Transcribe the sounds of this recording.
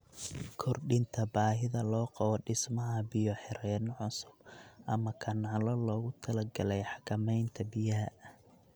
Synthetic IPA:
kʰɔrɖɪnt̪ʰɐbaːɦɪðɐlɔːqɑβɔɖɪsmɐɦɐbɪjɔħɪɾɛːnʕʊsʊb̥̚ʔɐmɐkʰɐnaːlɔlɔːɣʊt̪ʰɐlɐɡɐlɛjħɑkʰɐmɛjnt̪ʰɐbɪjɐɦɐʔɐh

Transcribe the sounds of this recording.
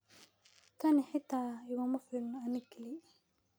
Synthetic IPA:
k̪ʰɐnɪħɪt̪ʰːaːɪɣɔmɐfɪːlnɔɐnɪɡkʰɪli

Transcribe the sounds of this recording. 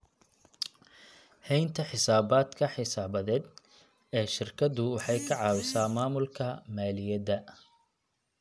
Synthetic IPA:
hɛjnt̪ʰɐħɪsaːbaːd̪kʰɐħɪsaːβɐðɛːd̪ | ɛːʃɪrkʰɐd̪ʊwɑħɑjkʰɐʕɑːwɪsaːmaːmʊlkʰɐmaːlɪjɐd̪ɐ

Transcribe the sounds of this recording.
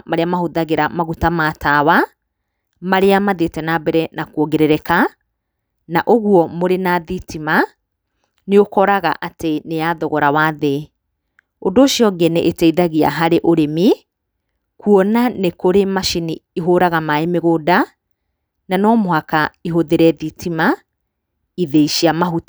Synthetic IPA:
maɾeamahoðaɣeɾamaɣutamaːtawa | maɾeamaðetɛnabɛɾɛnakuɔɡeɾɛɾɛka | naʔoɣuɔmoɾenaːðitima | neokɔɾaɣaʔateneaðɔɣɔɾawaðe | ondoːʃjɔɡɛneʔetɛiðaɣia̰ɦaɾeʔoɾemi | kuɔnanekoɾemaʃiniiɦoɾaɣamaemeɣoda | nanɔmohakaiɦoðeɾɛðitima | iðeiʃiamaɦut

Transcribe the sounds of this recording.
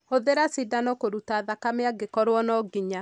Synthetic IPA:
hoðeɾasidanɔkoɾutaðakameaɡekɔɾwɔnɔɡiɲa

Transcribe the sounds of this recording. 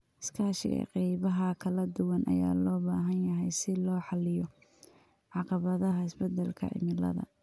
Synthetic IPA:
ɪ̥skʰaːʃɪ̰ɛ̰qɛjβɐɦɐkʰɐlɐd̪ʊwɐnʔɐ̰jaːlɔːbaːɦɐnjɐɦɛjsɪlɔːħɑlɪjɔ | ʕɑqɑβɐðɐɦɐɪsbɛd̪ɐlkʰɐ̰ʔɪ̰mɪlɐ̰ðɐ̰

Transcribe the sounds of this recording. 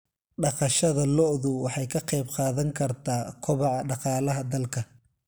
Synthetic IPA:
ɖɑqɑʃɐðɐlɔʔðʊwɑħɑjkʰɐqɛjbqɑːðɐŋkʰɐrt̪ʰaːkʰʊβɑʕɑɖɑqɑːlɐɦɐd̪ɐlkʰɐ

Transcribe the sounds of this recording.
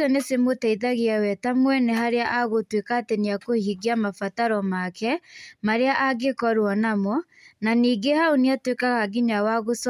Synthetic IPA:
ɔnesemotaiðaɣeawɛtamwɛneɦaɾeaʔaɣotwekateniakohiɡiamafataɾɔmakɛmaɾeaʔaɡekɔɾwɔnamɔ | naniːɡehaoniatwekaɣaɡiɲawaɣos

